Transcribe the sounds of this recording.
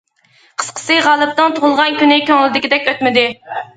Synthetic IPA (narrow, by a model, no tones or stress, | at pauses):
qʰə̥sqʰə̥sɨʁɑːlˠɨp̚t̪ɨŋt̪ʰoʁʊlˠʁɑnkʲynɪkʲʰøŋlɪd̪ɪkʲid̪ɛkʲøt̪mɪd̪ɪ